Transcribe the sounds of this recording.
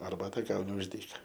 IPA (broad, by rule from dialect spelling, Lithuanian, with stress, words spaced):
ɐrˈbɑːtɐ ˈɡɐʊnʲɪ ʊʃ ˈdʲiːkɐ